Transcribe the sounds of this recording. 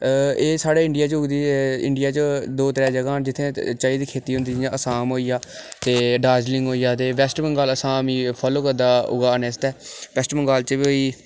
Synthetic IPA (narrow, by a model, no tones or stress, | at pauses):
eːsaːɽeːɪɳɖɪjaːt͡ʃʊɡd̪iːɪ̰ɳɖɪjaːt͡ʃd̪oːt̪əɾɛːd͡ʒəɡaːd͡ʒɪt̪ʰːẽːt͡ʃaːiːd̪iːkʰeːt̪iːɦʊ̃nd̪iːd͡ʒɪjãːʔəsaːmɦoːijaːt̪eːɖaːd͡ʒlɪ̃ŋɡoːijaːt̪eːʋɛsʈbəŋɡaːləsaːmiːpʰaːloːkəɾd̪aːʊ̰ɡaːənest̪ɛːʋɛːsʈbəŋɡaːlt͡ʃəʋoiː